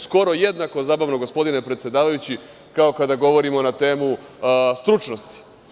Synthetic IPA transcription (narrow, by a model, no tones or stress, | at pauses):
sko̞ɾo̞jed̪nako̞zaːbaʋnoɡo̞spo̞d̪ine̞pɾet̪sje̞d̪aːʋajut͡ɕi | kao̞kad̪aɡo̞ʋo̞ɾimo̞nat̪e̞ːmust̪ɾut͡ʃno̞st̪i̥